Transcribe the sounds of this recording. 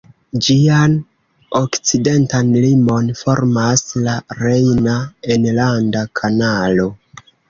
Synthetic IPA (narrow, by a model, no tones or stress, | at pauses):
d͡ʒian | o̞kt͡side̞ntanlimo̞nfo̞ɾmaslaɾejnaenlandakʰanalo̞